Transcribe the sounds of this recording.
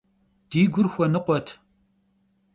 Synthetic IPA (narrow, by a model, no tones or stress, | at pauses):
d̥iːɡʷʊrxʷɔnɨqʷɔtʰ